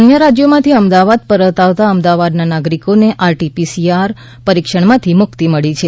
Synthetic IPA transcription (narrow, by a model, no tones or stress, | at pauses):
ənjəɾad͡ʒjomãt̪ʰiəmd̪aʋad̪̚pəɾət̪aʋt̪aəmd̪aʋad̪nanaɡɾikoneʔaɾʈipisiaɾ | pəɾikʃəɳmãt̪ʰimʊkt̪iməɭit͡ʃʰe